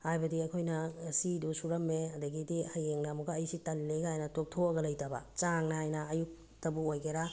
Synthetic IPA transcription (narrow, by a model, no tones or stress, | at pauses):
hajbɐdiɐkʰojnɐsidusuɾɐmːeɐdɐɡidihɐjeŋnamuɡɐːjisitɐlːeɡaajnɐtok̚tʰoɐɡɐlɐjtabɐ̰t͡ʃaŋnaajnɐɐjuk̚ | tɐbuojɡeɾa